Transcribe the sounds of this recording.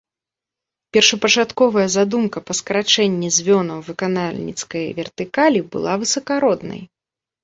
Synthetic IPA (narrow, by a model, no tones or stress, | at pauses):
pʲɛrʂɐpɐt͡ʂat̪kɔvɐjɐzad̪umkɐpɐskɐɾat͡ʂɛnʲːɛzʲvʲɔnɐwvɨkanalʲnʲḭt̪skɐjvʲɛrt̪ɨkalʲibɨ̰lˠavɨsɐkaɾɔd̪nɐ̰j